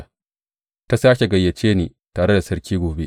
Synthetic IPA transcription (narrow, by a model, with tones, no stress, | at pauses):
ta˦saː˦kʲe˨ɡɐ˨jːɐ˨t͡ʃeː˦niː˨ | taː˨ɽe˦da˨sɐ˦ɽkʲiː˦ɡʷoː˨be˦ʔ